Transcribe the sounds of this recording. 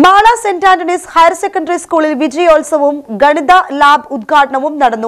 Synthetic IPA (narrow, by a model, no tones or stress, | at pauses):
maːɭɐsendaːndɐɳishɐjɐɾsekːɐɳɖɐɾiskuːɭilʋid͡ʑɐjoːlsɐʋumɡɐɳid̪ɐlaːbʱud̪̚ɡʰʱaːʈɐɳɐʋumnɐɽɐnːu